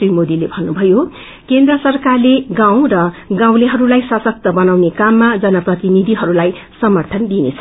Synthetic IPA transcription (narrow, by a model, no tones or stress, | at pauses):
imod̪ilebʱʌnːubʱʌjo | kend̪rʌsʌrkarleɡãw̃rʌɡãw̃leɦʌɾulajsasʌk̚t̪ʌbʌnawnekamːad͡zʌnʌprʌt̪inid̪ʱiɦʌɾulaj | sʌmʌrt̪ʰʌnd̪inḛt͡sʰʌ